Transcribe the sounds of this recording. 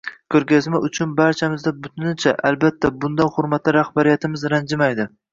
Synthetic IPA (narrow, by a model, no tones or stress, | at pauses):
kʲʰɵɾɡʲazmaʊt͡ʃʰʊnbaɾt͡ʃʰamɪzd̪abʊt̪ʰɪnɪt͡ʃʰaʔalbat̪ʰːabʊnd̪anχʊɾmat̪laɾahbaɾijat̪ʰɪmɪzɾand͡ʒɪmajd̪ɪ